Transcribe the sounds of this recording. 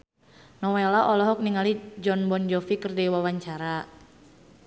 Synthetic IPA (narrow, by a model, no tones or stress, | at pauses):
nɔwelaʔɔlɔɦɔk̚niŋalid͡ʒɔnbɔnd͡ʒɔfikərdiwawaɲt͡ʃaɾa